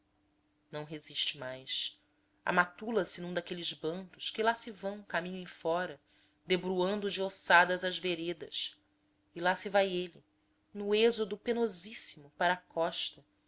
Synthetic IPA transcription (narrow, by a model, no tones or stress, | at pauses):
nɐ̃w̃ɦeziʃt͡ʃɪmajs | a̰mat̪ulɐsɪnũd̪akelizbɐ̃nd̪ʊʃkɪlasivɐ̃w̃kamĩɲʊẽfɔɾɐ | d̪ebɾuɐ̃nd̪ʊd͡ʒɪosad̪ɐzɐʒveɾed̪ɐʃ | ilasɪvajeli | nʊezod̪ʊpenozisimʊpaɾɐːkɔʃt̪ɐ